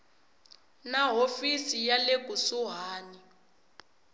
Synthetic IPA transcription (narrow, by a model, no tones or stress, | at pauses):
naɦofisijalek̬ʼusuɦaːni